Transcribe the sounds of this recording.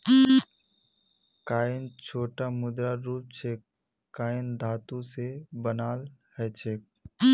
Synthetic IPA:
kaːɪnt͡ʃʰoːʈamʊd̪ɾaɾuːp̚t͡ʃʰekː | aːɪnd̪ʱaːt̪ũsebənaːlhɛt͡ʃʰeːk̚

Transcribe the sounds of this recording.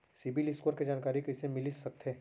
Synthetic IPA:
sibilɪskoəɾked͡ʒaːnkaːɾikɐɪsemɪlisɐk̚t̪ʰeː

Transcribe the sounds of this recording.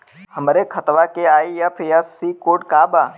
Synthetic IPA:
həmɾekʰət̪ʋakeaːijɐpʰjasikoːʈkaːbaː

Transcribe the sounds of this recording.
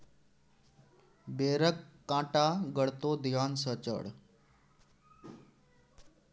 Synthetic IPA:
beɾəkːãːʈaɡəɽt̪od̪jansət͡ɕə̰ɽ

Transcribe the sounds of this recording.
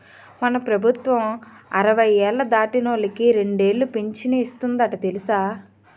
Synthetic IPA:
mɐnɐpɾɐbʱut̪ʋɐmɐɾɐʋɐjɛːlːɐd̪aːʈinoːlɐkiɾe̞ɳɖe̞ːɭːupiɲt͡ʃineist̪und̪ɐʈɐt̪e̞lisaː

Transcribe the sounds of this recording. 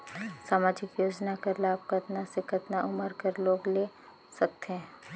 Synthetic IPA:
saːmaːd͡ʒɪkjoːd͡ʒnakɐɾlaːp̚kɐt̪nasekɐt̪naʔʊməɾkəɾloːɡle | sɐk̚t̪eɦɛ̃ː

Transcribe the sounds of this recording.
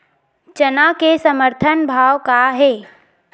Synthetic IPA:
t͡ʃənakesəməɾt̪ʰənbʱaːwkaɦeː

